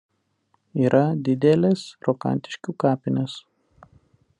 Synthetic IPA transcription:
iːɾʔɐd̪ʲɪd̪ʲɛlʲesɾɔkɐ̰nʲˑt̪ʲɪ̥ʃʲkʲuːkɑːpʲɪnʲes

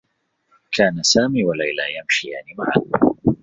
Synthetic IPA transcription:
kʰaːnasaːmiːwalajlaːjamʃijaʕnimaʕa̰d

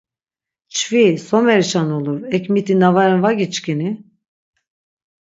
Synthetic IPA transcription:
t͡ʃfisomɛɾʃanolˠuɾɛcʲmit̪ʰinavaɾinvaɡʲit͡ʃkʲini

